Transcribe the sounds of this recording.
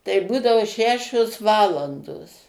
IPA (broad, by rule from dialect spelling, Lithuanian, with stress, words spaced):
tɐɪ ˈbuːdɐʋoː ˈʃʲæːʃʲoːs ˈʋɑːlˠɐndoːs